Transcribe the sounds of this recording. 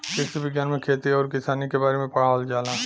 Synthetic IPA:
kɪksebɪɡjaːnmẽkʰeːt̪iɔːɾkɪsaːnikebaːɾemẽpɐɽɦaːld͡ʒaːlaː

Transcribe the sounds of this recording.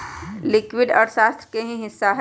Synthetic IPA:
lɪkwɪɖɔ̰ːɾʃaːst̪ɾəkeɦĩɦɪsːaɦɛ

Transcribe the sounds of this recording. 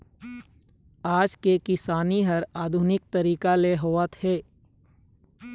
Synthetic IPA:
aːd͡ʒkekɪsaːniɦɐɾaːd̪ʱʊnɪk̚t̪əɾiːkaleɦoːət̪hɛː

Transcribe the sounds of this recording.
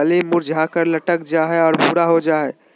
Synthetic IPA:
əlimuɾd͡ʒʱakəɾləʈək̚d͡ʒaɦɛɔːɾpuɾaɦod͡ʒaɦɛ

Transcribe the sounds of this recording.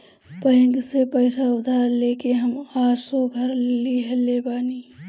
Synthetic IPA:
pə̃ŋɡsepəɪsaʊd̪ʱaːɾleːkeɦəmaːɾsɔɡʱəɾliɦeleːbaːniː

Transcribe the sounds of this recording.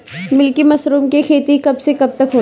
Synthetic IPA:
mɪlkimɐsɾuːmkikʰeːt̪ikɐbsekɐb̚t̪ɐkɦoː

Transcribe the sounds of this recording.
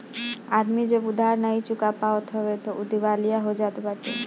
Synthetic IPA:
ad̪mid͡ʒebud̪ʱaɾnait͡ʃukapaot̪ɦɔbet̪ɔʔud̪ibalijaɦod͡ʒat̪baʈe

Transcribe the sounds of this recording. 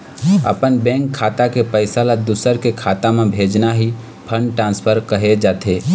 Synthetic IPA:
ə̰pənbɛ̃ːŋkʰːaːt̪akepəɪsalad̪usəɾkekʰaːt̪amẽbʱeːd͡ʒnaɦi | pʰə̃ɳɖʈɾãːnspʰəɾkəɦed͡ʒaːt̪ʰe

